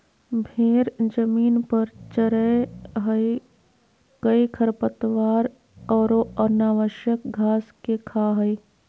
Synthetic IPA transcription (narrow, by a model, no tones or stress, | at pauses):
bʱeːɾd͡ʒəmiːnpəɾt͡ʃəɾəɦəi | kəikʰəɾpət̪ʋaːɾ | ɔːɾoənaːʋəʃjəkɡʱaːskekʰaɦəi